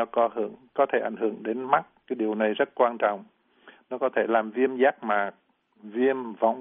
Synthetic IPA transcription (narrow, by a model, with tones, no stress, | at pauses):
ɔ˨˦kɔ˧ɦɨ˧˩əŋkɔ˨˦t̪ʰe˧˩ʔa˧˩jŋ̟hɨ̰˧˩˨əŋɗe˨˦nma˦˥t̚kaː˨˦jɗi˨˩əwna˨˩jzə˦˥t̚kwaː˧nt͡ɕɔ̰˧˨wŋ͡m | nɔ˨˦kɔ˨˦t̪ʰe˧˩laː˨˩mvi˧əmzaː˦˥k̚maː˨˩ | vi˧əmvɔ̰˧˦wŋ͡m